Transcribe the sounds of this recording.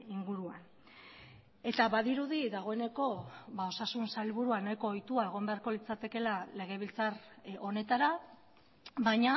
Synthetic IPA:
iŋɡuɾuan | e̞t̪aβaðiɾuðiðaɣ̞o̞e̞ne̞ko̞βao̞sasunsailβuɾuanajko̞ːjt̪uae̞ɣ̞o̞mbe̞aɾko̞lit͡sat̪e̞ke̞lale̞ɣ̞e̞β̞ilt͡saro̞ne̞t̪aɾa | βaɲa

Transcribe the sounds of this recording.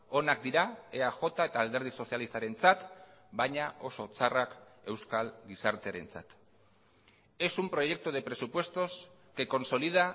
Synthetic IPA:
o̞nak̚d̪iɾaeaʝo̞t̪ae̞t̪aːld̪e̞ɾð̞iso̞sjalist̪aɾe̞nt͡sat̪bajɲao̞so̞t͡sarake̞wskalɡisaɾt̪e̞a̰ɾe̞̰nt͡sa̰t̪ | e̞sumpɾo̞ʝe̞k̚t̪uðe̞pɾe̞supwe̞st̪o̞s | ke̞ko̞nso̞liða

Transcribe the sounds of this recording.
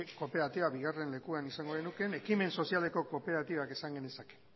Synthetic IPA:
ko̞pe̞ɾat̪iβaβiɣare̞nle̞kuanisaŋɡo̞ðenuke̞ne̞kime̞nso̞siale̞ko̞ko̞pe̞ɾat̪iβakesaŋɡenesake̥

